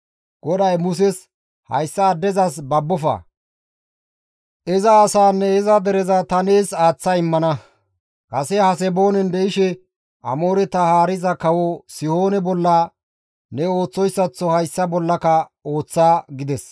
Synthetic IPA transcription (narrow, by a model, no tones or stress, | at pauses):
ɡ̥ɔd̪ɐjmʊs̬ɛs | hɐ̰jsːɐːd̪ːɛzɐs̬bɐbːɔfɐ̰ | ʔɛzɐːsaːnːɛɛzɐd̪ɛɾɛzɐt̪ɐneːsaːt͡sːɐɪmːɐnɐ | kɐsɛhɐs̬ɛboːnɛnd̪ɛɪʃɛ | ʔɐ̰mo̞ːɾɛt̪ɐhaːɾɪzɐkɐwɔsɪhoːnɛbɔlːɐ | nɛoːt͡sːɔjsːɐt͡sːɔhɐjsːɐbɔlːɐkɐo̞ːt͡sːaːɡɪd̪ɛs